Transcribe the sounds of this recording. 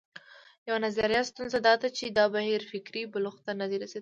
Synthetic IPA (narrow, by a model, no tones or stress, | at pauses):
jawanazaɾijɑt̪st̪unzad̪ɑd̪at͡ʃed̪ɑbahiɾfɪkɾibʊlʊxt̪anad̪eɾased̪i